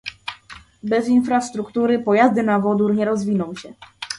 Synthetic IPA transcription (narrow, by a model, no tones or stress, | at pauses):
bɛzinfɾast̪ɾukt̪uɾɘpɔjazd̪ɘnavɔd̪uɾɲɛɾɔzvʲinɔ̃w̃ɕɛ